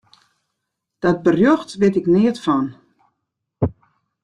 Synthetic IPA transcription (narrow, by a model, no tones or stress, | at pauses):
d̥ɔt̚bərjoxtʋɪtɪknɪətfɔn